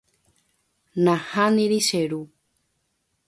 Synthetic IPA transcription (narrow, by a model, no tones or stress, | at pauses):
nãhãnĩɾiʃeɾu